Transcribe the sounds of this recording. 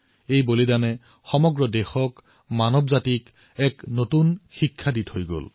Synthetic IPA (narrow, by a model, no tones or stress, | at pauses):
ejbolidanɛ | xɔmɔɡɹɔdɛxɔk | manɔbzatik | ɛknotunxikʰːadithojɡo̰l